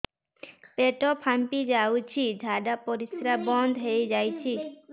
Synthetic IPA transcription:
peʈopʰampid͡ʒawt͡ɕʰidʱaɖapoɾisɾabɔnd̪ʱɦejd͡ʒajt͡ɕʰi

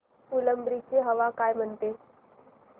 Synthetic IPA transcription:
uləmbɾit͡ɕeɦəʋakaːjm̤əɳt̪e

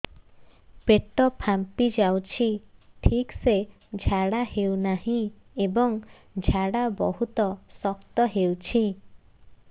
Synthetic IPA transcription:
peʈɔpʰampid͡ʒawt͡ʃʰiʈʰikse | d͡ʒʱaɽahewnahĩ | ebɔŋ | d͡ʒʱaɽabɔɦut̪ɔsɔkt̪ɔɦewt͡ʃʰi

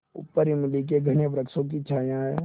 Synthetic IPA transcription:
ʊ̰pːəɾɪmɪlik̬eɡʱɐñebɾəkʃõk̬it͡ʃʰaːjãɦɛː

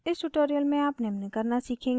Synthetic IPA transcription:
ɪsʈʊʈoːɾijəlmẽaːpnemnekɐɾnasiːkʰẽː

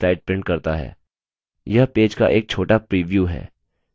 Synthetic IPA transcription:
ɾaːɪɖ̚pɾɪ̃ɳʈ̚kɐɾt̪aɦɛ̰ː | jɐɦpeːd͡ʒka̰ʔeːk̚t͡ʃʰoːʈapɾiːʋjuːɦɛ̰ː

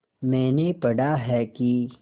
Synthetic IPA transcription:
mɛ̃ːnepɐɽaɦɛki

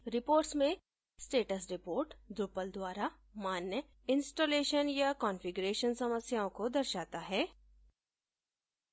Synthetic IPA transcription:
ɾɪpoːɾʈsmẽ | sʈeːʈəsɾɪpoːɾʈd̪ɾʊpəld̪waːɾa | maːnjə | ɪ̃nsʈoːleːʃənjakɔːnfɪɡʊɾeːʃənsɐməsjaːõkod̪ɐɾʃaːt̪aɦɛː

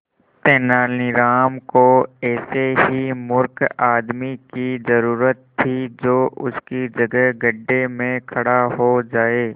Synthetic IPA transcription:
t̪eːnaːlɪɾaːmkoɛːseɦimʊɾkaːd̪mikizɐɾuːɾət̪ʰːid͡ʒoːʔʊskid͡ʒɐɡəɦɡɐɖːemẽkʰɐɽaɦod͡ʒaːeː

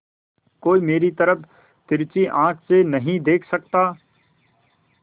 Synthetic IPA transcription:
koːimeːɾit̪ɐɾəpʰ | t̪ɪɾt͡ʃiʔãːkʰsenɐɦĩd̪eːkʰsɐkt̪aː

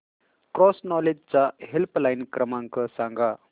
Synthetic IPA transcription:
kɾɔsnɔled͡ʑt͡saɦelplajnkɾəmãŋkəsãŋɡa

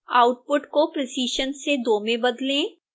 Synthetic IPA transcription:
aːʊʈ̚pʊʈkopɾɪsiːʃənsed̪oːmẽbɐd̪lẽ

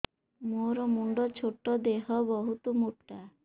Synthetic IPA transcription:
moɾɔmuɳɖɔt͡ʃʰoʈːɔd̪eɦɔbɔɦut̪ɔmuʈːa

